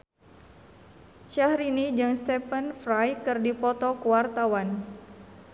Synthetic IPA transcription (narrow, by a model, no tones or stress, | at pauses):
ʃahɾinid͡ʒɨŋst̪ɛpənfɾajkɨrdipɔt̪ɔkuwart̪awan